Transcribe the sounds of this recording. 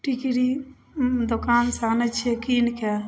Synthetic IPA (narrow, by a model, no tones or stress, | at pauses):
ʈikiɾi | d̪okaːnsaːnɐt͡ʃʰekiːnke